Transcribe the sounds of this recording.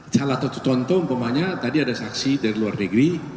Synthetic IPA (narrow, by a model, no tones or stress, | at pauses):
t͡ʃalat̪ɔt̪ut̪ɔnt̪ɔumpamaɲat̪adiadasaksidaɾiluarnəɡɾi